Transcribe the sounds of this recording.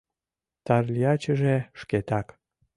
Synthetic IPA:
t̪ɑrlʲiɑt͡ɕəʒeʃket̪ɑk

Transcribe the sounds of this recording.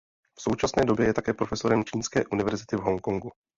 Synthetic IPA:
fso̞wt͡ʃasnɛːdo̞bjɛjɛt̪akɛːpɾo̞fɛso̞ɾɛmt͡ʃiːnskɛ̰ːʔunɪvɛɾzɪt̪ɪvɦo̞ŋko̞ŋɡu

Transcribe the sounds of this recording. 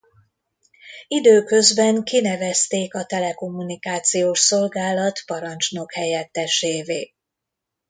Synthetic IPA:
id̪øːkø̞zbɛŋkinɛvɛst̪eːkɒt̪ɛlɛko̞mːunikaːt̪sijoːʃsolɡaːlɒt̪pɒɾɒnt͡ʃno̞khɛjɛt̪ːɛʃeːveː

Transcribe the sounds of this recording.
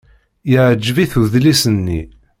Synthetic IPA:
jəʕd͡ʒːviθuðlisənːḭ

